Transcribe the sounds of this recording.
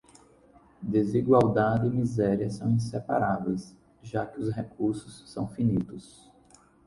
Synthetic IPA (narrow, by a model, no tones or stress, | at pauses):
d̪eziɡwawd̪ad̪ɪːmizɛɾiɐsɐ̃w̃ĩsepa̰ɾavejs | ʒakɪʊsɦekuɾsʊsːɐ̃w̃finit̪ʊs